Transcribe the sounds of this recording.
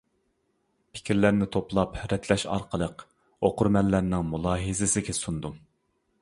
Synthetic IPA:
pʰɪ̥kʲiɾlæɾnɪt̪ʰoplˠɑpɾɛt̪ʰlɛʃɑ̰ɾqʰəlˠəq | oqʰʊɾmɛlːæɾnɪŋmulˠɑːɦɨzɪsɪkʲɛsund̪u

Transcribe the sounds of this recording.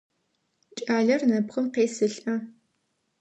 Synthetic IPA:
t͡ʃʼaːɮɐrnɐpχəmqeːsɨɬʼʔɐ

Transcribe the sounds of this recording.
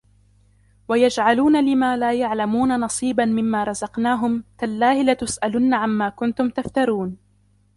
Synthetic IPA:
wajad͡ʒʕaluːnalɪmaːlaːjaʕlamuːnanɑsˤiːbanmɪmːaːɾˤɑzɑqnaːɦʊmk̪alːaːhɪlat̪ʊsʔalʊnːaʕanmaːkʊnt̪ʊmt̪aft̪aɾˤuːn

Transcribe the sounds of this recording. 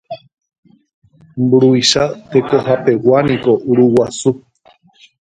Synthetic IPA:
mbuɾuiʃat̪e̞kohape̞wanĩko̞ʔuɾuwasu

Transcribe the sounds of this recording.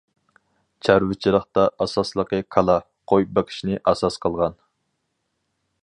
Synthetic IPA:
t͡ʃʰæɾwɪt͡ʃʰiɾəχt̪ɑʔɑsɑslˠəqəkʰɑlˠɑ | qʰojbɪqʰi̥ʃinɪʔɑsɑsqʰəlˠʁɑn

